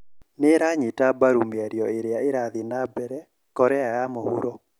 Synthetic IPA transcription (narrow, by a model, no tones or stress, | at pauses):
neɾaɲitabaɾumeaɾjɔeɾeaeɾaðinabɛɾɛ | kɔɾɛajamohṵɾɔ